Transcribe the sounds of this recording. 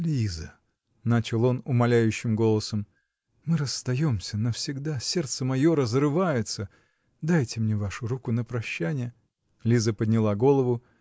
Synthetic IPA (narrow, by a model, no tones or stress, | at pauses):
lʲizə | nat͡ɕɪlˠo̞nʊmɐlʲæjʉɕːɪmɡo̞lˠəsəm | mɨɾəsːt̪ɐjo̞msʲənəfsʲɪɡd̪asʲe̞rt̪səmɐjo̞ɾəzrɨvajɪt̪sə | d̪ajtʲɪmnʲevaʂʊɾukʊnəpɾɐɕːænʲɪjə | lʲizəpəd̪ʲnʲɪlˠaɡo̞lˠəvʊ